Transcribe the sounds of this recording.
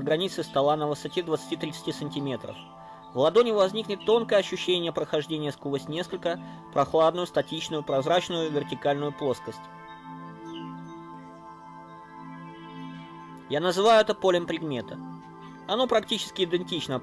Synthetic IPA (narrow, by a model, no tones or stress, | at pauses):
ɡɾɐnʲit̪sɨst̪ɐlˠanəvɨsɐtʲed̪vət̪sɨ̥tʲit̪ɾʲɪt̪sɨ̥tʲisənʲtʲɪmʲe̞t̪ɾə̰f | vlˠɐd̪o̞nʲɪvɐzʲnʲiknʲɪt̪ːo̞nkəjəɐɕːʉɕːenʲɪjəpɾəxɐʐdʲenʲɪjəskubəsʲtʲnʲe̞skəlʲkə | pɾʔɐxlˠad̪nʊjʊst̪ɐtʲit͡ɕnʊjʊpɾɐzɾat͡ɕnʊjʊvʲɪrtʲɪkalʲnʊjʊplˠo̞skəsʲtʲ | janəzɨvajʊɛt̪əpo̞lʲəmpɾʲɪd̪mʲe̞t̪ə | ɐno̞pɾɐktʲit͡ɕɪ̥skʲɪɪd̪ɨnʲtʲit͡ɕnə